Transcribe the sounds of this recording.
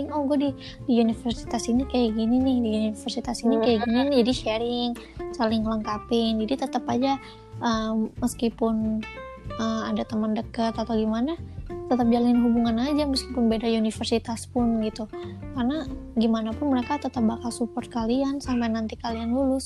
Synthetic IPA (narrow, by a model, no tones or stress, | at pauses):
ŋɔhɡuadi | diunifərsi̥t̪asinikajaɡininɪhdiuniifərsit̪asinikajaɡinind͡ʒadiʃɛɾɪŋsalɪŋləŋkapɪŋd͡ʒadit̪ət̪əpad͡ʒa | ʔəməskipʊn | əmadat̪əməndəkət̪at̪awɡimanat̪ət̪əp̚d͡ʒalɪnɦubuŋanad͡ʒaməskipʊnbedaunifərsit̪aspʊnɡit̪ukarənaɡimanapʊnməɾekat̪ət̪əp̚bakalsupɔrt̪̚kaliansampajnant̪ikaliandulʊs